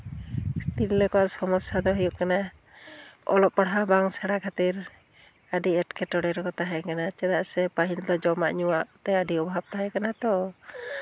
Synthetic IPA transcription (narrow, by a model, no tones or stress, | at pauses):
st̪ilːɛkɔaʔsɔmɔsad̪ɔɦujuʔkana | ɔ̰lɔp̚pːaɽɦabaŋsaɽakʰat̪iɾ | əɖiɛʈkʰɛʈɔɽɛɾkɔt̪aɦɛkanat͡ʃɛd̪aʔsɛpaɦind̪ɔd͡ʒɔmaʔɲuaʔt̪ɛəɖiɔbɦab̚t̪aɦɛkanat̪ɔ